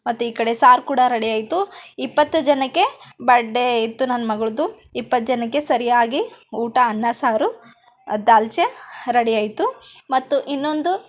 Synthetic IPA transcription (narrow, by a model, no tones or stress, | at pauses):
mɐt̪ːuiːkɐɽe̞saːɾkuːɽɐɾɐɽiɐːjt̪uipːɐt̪ːud͡ʒɐnɐkːe̞bɐɖeit̪ːunɐnːɐmɐɡɐɭud̪u | ipːɐt̪̚ːd͡ʒɐnɐkːe̞sɐɾijaːɡiuːʈɐːnːɐsaːɾu | ɐd̪aːlt͡ʃeɾɐɽijaːjt̪umɐt̪ːuʔinːo̞nd̪u